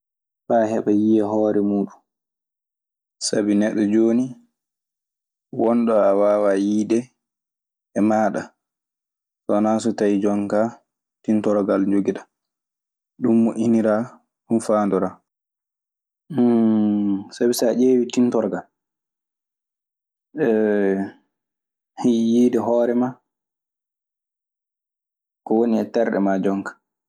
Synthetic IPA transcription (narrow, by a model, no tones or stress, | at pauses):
ɓahɛɓajijɛɦɔːɾɛmuːɗun | sabinɛɗːɔd͡ʒoːni | wɔnɗɔawaːwajiːɗɛ | ɛmaːɗa | sɔnaːsutajd͡ʒɔŋka | tintɔɾɡald͡ʒoɡiɗa | ɗumːuʔiniɾaː | ɗumfaːndɔɾa | sabisaʔeːwitintɔɾɡal | ɛ | hijiːdɛɦɔːɾɛma | kɔwoniɛtɛɾɗɛ̰mad͡ʒɔŋkḁ